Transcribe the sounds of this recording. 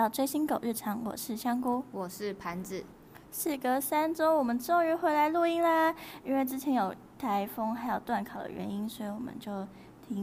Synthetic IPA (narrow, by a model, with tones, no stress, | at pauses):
ɑ˥˧ʊt͡swe˥˩ɪɕi˥nko˨˩ʊɻ̩˥˩ʈ͡ʂʰɑ˧˥ŋwɔ̰˨˩ʂɻ̩˥˩ɕjɑ˥ŋku˥wɔ˨˩ʂɻ̩˥˩pʰa˧˥nt͡s̩˨˩ | ʂɻ̩˥˩kə˥˩sa˥nʈ͡ʂo˥ʊwɔ˨˩mə˦nʈ͡ʂ̩˥˧ŋɻy˧˥xwe˧˥ɪla˧˥ɪlu˥˧i˥ŋlə˧i˥nwe˥˧ɪt͡sɻ̩˥t͡ɕʰjɛ˧˥njo˨˩ʊ | t̪ʰa˧˥ɪfo˥ŋxa˧˥ɪjo˨˩ʊt̪wa˥˩nkʰɑ˨˩ʊd̪ə̰˦ɥɛ̰˧˥ni˥nswɔ˧˥i˨˧˥wɔ̰˨˩mə̰˦nt͡ɕjo˥˩ʊ | t̪ʰi˧˥ŋ